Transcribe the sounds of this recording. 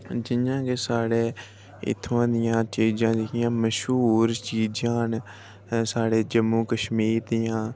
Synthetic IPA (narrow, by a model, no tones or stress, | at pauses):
d͡ʒɪãːkeːsaːɽeː | ɪ̰t̪ʰːãːd̪ɪjãːt͡ʃiːd͡ʒãːd͡ʒekɪjãːməʃɦuːɾt͡ʃiːd͡ʒãːn | saːɽeːd͡ʒəmːuːkəʃmiːɾd̪ɪjãː